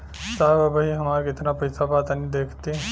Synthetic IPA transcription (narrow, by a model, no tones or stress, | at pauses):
saʋabəɦiɦəmaɾkit̪napəjsabat̪anid̪ekʰt̪i